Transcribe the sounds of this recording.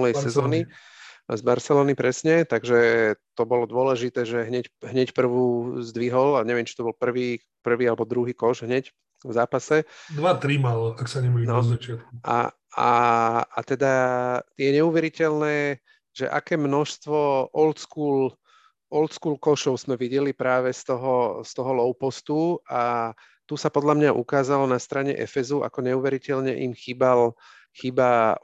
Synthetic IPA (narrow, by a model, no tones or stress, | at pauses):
lɛjsɛzɔːni | zbaɾsɛlɔːnipɾɛsɲɛt̪aɡʒɛt̪ɔbɔlɔd̪ʊɔlɛʒit̪ɛːʒɛɦɲɛcɦɲɛcpr̩ʋuzd̪ʋiɦɔlaɲɛʋɪɛmt͡ʃit̪ɔbɔlpr̩ʋiː | pr̩ʋiːalɛbɔd̪ɾuɦiːkɔʃɦɲɛc | vzaːpasɛd̪ʋat̪ɾimalaksaɲɛmainɔat͡ʃɪat̪̚kuʔa̰ | a̰a̰t̪ɛd̪ajɛɲɛuːʋɛɾicɛlnɛː | ʒ̥ɛ̰ʔa̰kɛːmnɔʃst̪ʋɔʔɔlt̪skuːl | ʔɔlt̪skuːlkɔʃɔʊz̥mɛʋiɟɛlipɾaːʋɛst̪ɔɦɔst̪ɔɦɔlɔʊpɔst̪ua | t̪usapɔd̪ʎamɲaʔṵkaːzalɔnast̪ɾaɲɛ̰ʔɛ̰fɛzuʔa̰kɔɲɛuːʋɛɾicɛlɲɛ̰ʔḭmxiːbal | xiːba